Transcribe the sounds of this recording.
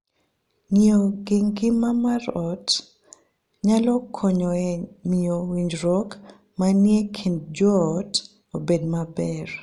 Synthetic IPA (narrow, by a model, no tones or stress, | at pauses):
ŋioɡɪŋɡɪmamarɔt | ɲalɔkʰɔɲɔɛniowiɲd͡ʒɾɔk | manjekʰindd͡ʒɔt | obedmabɛr